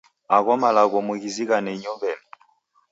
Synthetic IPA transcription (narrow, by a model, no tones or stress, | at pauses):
aɣɔmalaɣɔmuɣiziɣanɛiɲɔbɛm